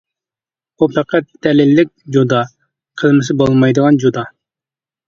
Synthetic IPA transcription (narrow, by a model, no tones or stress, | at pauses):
upʰɛqʰɛt̪̚d̪̥ɛlɪlːɪk̚ʲd͡ʒod̪ɑ | qʰəlˠmɨs̬ɨbolˠmɑjd̪əʁɑnd͡ʒod̪ɑ